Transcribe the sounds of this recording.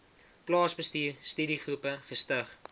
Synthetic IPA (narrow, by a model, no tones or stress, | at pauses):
plɑːsbəstiːstydiχrupəχəstəχ